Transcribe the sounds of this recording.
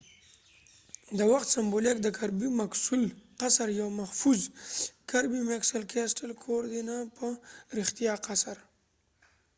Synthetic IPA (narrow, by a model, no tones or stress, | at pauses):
d̪əwaxt̪sambolik̚d̪əkʰaɾbimaksulqasaɾjawmahfuzkaɾbimeksalkʰesʈalkʰoɾd̪inapʰəɾɪxt̪ijɑqasaɾ